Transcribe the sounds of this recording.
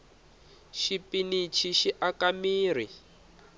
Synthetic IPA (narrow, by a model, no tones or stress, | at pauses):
ʃipinit͡ʃʰiʃiʔakamiːr̤i